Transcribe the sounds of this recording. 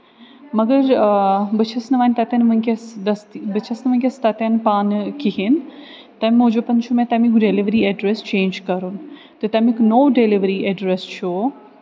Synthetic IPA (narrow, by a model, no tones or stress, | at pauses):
mɐɡəɾbɐt͡ʃʰɐsnɐʋaːnt̪ɐt̪ɐnmɐ̃kɐsd̪ɐst̪bɐt͡ʃʰɐsnɐʋɐ̃nʲkʲest̪ɐt̪ɐnpaːnkiɦin | t̪ɐmmũːd͡ʒopɐ̃ɲt͡ʃʰomẽt̪ɐmikɖeliʋɾieɖɾest͡ʃẽːnd͡ʒkɐɾun | t̪ɐt̪ɐmiknoːɖeliʋəɾieɖɾest͡ʃʰoː